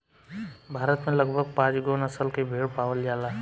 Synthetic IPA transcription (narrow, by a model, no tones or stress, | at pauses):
bʱaːɾət̪mẽləɡbʱəɡ̚pãːd͡ʒɡonəsəlkebʱeːɽpaːwəld͡ʒaːlaː